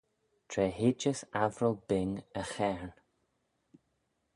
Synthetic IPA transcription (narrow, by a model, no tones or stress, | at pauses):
tʰɾɛːɦɪd͡ʒəsavɾəlˠbɪŋəxɛɹn